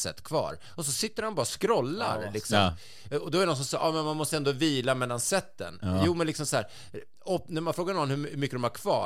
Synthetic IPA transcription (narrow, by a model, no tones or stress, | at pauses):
sɛ̰t̪ːkʰvɑ̰ːɾ | ɔsɔsɪt̪ːəɾhanbɑːɾaskɾɔlːa̰ɾlɪksɔ | ɔd̪ɔæɾɪnɔnsɔmsɑʔɑːmɛnmanmɔst̪əɛnd̪oːviːlamɛlːansɛt̪ːə̰njuːmɛnlɪksɔmsɔhæ̰ːɾ | ɔnæɾmanfɾoːɡaɳɔnːhɵhmʏkːəd̪ɔmhæɾkʰv̥ɑ̰ː